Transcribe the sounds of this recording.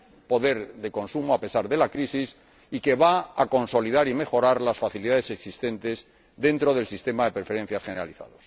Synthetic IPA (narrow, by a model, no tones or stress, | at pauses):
po̞ðe̞ɾðe̞ko̞nsumoape̞saɾðe̞lakɾisis | ike̞βaako̞nso̞liðaɾime̞xo̞ɾaɾlasfaθiliðaðe̞se̞ksist̪e̞nt̪e̞z | ðe̞nt̪ɾo̞ð̞e̞lsist̪e̞maðe̞peɾfe̞ɾe̞n̟θjasχene̞ɾa̰liθa̰ðo̞s